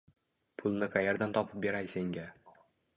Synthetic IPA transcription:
pʰʊlˠnɪqʰɑjaɾd̪ant̪ʰɒpʰɪp̚be̞ɾajseŋɡʲa

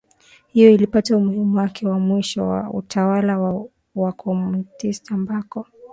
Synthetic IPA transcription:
hijɔilipataumuhimuwakʰɛwamwiʃɔwa̰ṵtʰawalaw | wakʰɔmutistambakɔ

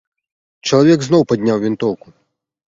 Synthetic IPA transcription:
t͡ʃɐlˠɐʋʲɛɡznɔwpɐdʲnʲawʋʲint̪ɔwkʊ

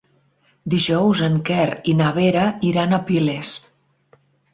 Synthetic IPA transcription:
d̪iʒɔwzəŋkɛɾinaβeɾəiɾanəpiles

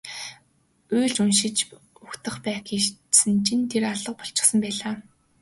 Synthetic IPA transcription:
uːɮt͡ɕunʃɪ̆t͡ɕ | uxt̪ə̆χpæːxiːtsɘ̆nt͡ɕʰint̪ʰeraɮə̆q̚pɔɬt͡ɕɪ̥̆χsə̆mpæːɮaː

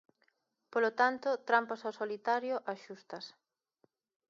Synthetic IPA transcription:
polot̪ant̪ʊt̪ɾampasasolit̪aɾjoʔaʃust̪ɐs

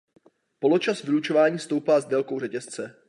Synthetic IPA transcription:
po̞lo̞t͡ʃasvɪlut͡ʃo̞vaːɲiːst̪o̞wpaːzdɛlko̞wrɛcɛst͡sɛ

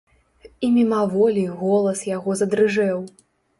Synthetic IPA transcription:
imʲimavɔlʲiɣɔlˠɐsjaɣɔzɐd̪ɾɨʐɛw

